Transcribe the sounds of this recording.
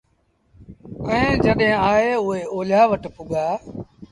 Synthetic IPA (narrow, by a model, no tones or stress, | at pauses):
əẽːd͡ʒəɗɦẽːaːeːʊeːoːljaːʋəʈpʊɠaː